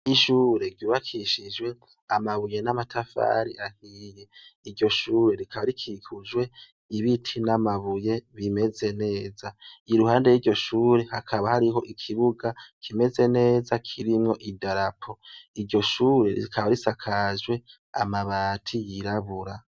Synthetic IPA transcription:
iʃuːɾe̞ɾɟuːβakʰiʃid͡ʒwe̞ | amaβuje̞namatʰafa̰ɾiʔahijeiɾɟo̞ʃuːɾe̞ɾikʰaβaɾikʰikʰud͡ʒwe̞ | iβitʰinamaβuje̞βime̞ze̞ne̞ːzaiɾuhaːnde̞jiɾɟo̞ʃuːɾe̞hakʰaβahaɾiɦo̞ʔikʰiβuɡakʰime̞ze̞ne̞ːzakʰiɾimŋo̞ʔidaɾapʰo̞iɾɟo̞ʃuːɾe̞ɾḭɾikʰaβaɾisakʰaʒwe̞ | a̰maβaːtʰijiɾaβuɾa

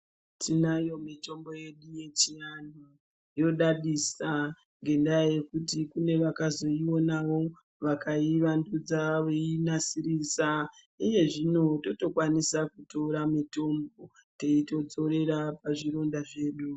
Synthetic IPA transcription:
tʰinajo̞mito̞mbo̞je̞ɗuje̞t͡ʃijanu | jo̞ɗaɗisa | ŋɡe̞ndaje̞kutikune̞ʋakazo̞iwo̞naʋo̞ | ʋakʰaiʋandud͡zaʋeinasiɾisa | ije̞ʐino̞to̞to̞kwanisakuto̞ɾamito̞mbo̞ | te̞ito̞d͡zo̞ɾe̞ɾapaʐiɾo̞ndaʐe̞ːɗu

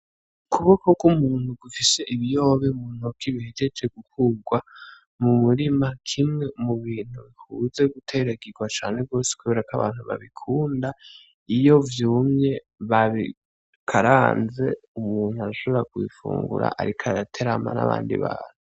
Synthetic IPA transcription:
kʰuβokokumuːn̥huɡufise̞ʔiβijoβemun̥okiβihed͡ʒet͡ʃeɡ̥ukʰuɡwa | mumuɾimakʰimŋe̞muβiːn̥huβihuːze̞ɡutʰe̞ɾaɡiɡwat͡ʃaːne̞ɡo̞ːse̥kuβe̞ːɾakaβa̰ːn̥huβa̰βikʰuːnda | ijo̞vjuːmɲe̞ | βaβi | kʰaɾaːnze̞umuːn̥huaɾaʃo̞βeɾakwḭfṵːŋɡṵɾa̰ʔaɾikʰaatʰe̞ɾama̰na̰βa̰ːndḭβa̰ːnu

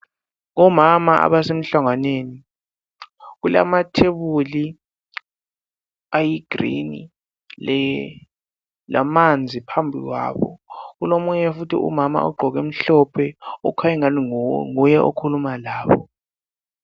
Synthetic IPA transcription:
ŋɔmamaʔa̰ɓasem̩ɬaŋaneni | k̬ula̰matʰeɓuli | ajiɡ̥rḭnḭ | lɛ | la̰mand͡zʱipʰambʱḭkwa̰ːɓɔ̰k̬ulomuɲɛfutʰiʔṵmama̰ʔṵɡ͡ǃʱɔk̬em̩ɬɔpʰɛɔkʰajɛŋalŋujɛʔokʰulumalaːɓɔ

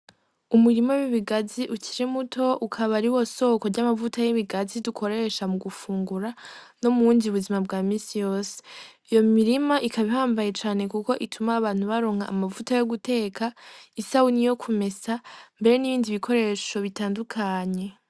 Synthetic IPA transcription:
umuɾimowiβiɡaziʔuciɾemutʰo̞ʔukʰaβaɾiwo̞so̞ko̞ɾɟamavutʰajeβiɡazidukʰo̞ɾe̞ʃamuɡufuːŋɡuɾano̞muːndiuβuzimabɡaːmiːsijo̞ːse̥ | ijo̞miɾimaʔikʰaβihaːmbaje̞t͡ʃaːne̞kuko̞ʔitʰumaːβaːn̥huβaɾo̞ŋ̥ha̰ːmavutajo̞ɡute̞ːkʰaisaunijo̞kʰume̞sambe̞ɾe̞niβiːndiβikʰo̞ɾe̞ːʃo̞βitaːndukʰaːɲe̞

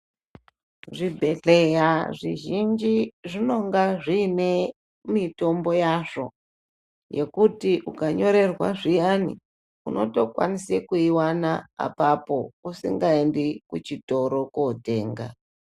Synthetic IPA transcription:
ʐibʱe̞ɮejaʐiʒind͡ʒiʐino̞ŋɡaʐine̞ | mito̞mbo̞jaʐo̞ | je̞kutiʔukaɲo̞ɾe̞rwa̰ʐijanḭ | ṵno̞to̞kwa̰nisekuiwana̰ːpapo̞usḭŋɡaendikut͡ʃito̞ɾo̞kote̞ːŋɡa̰

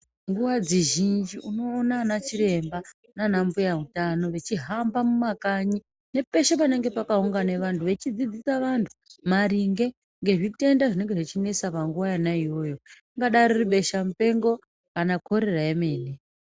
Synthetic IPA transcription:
ŋɡuwad͡ziʒind͡ʒiuno̞ːnanat͡ʃire̞mba | nanambujautano̞ʋe̞t͡ʃiɦambamumakaɲi | ne̞pe̞ʃepane̞ŋɡe̞pakauŋɡane̞ʋantʰuʋe̞t͡ʃid͡zid͡zisaʋantʰu̥maɾiŋɡe̞ | ŋɡe̞ʐite̞ndaʐine̞ŋɡeʐit͡ʃinesapaŋɡuwajanaiwo̞ːjo̞iŋɡaɗaririɓe̞ʃamupe̞ŋɡo̞ | kanakʰo̞ɾe̞raeme̞ːni

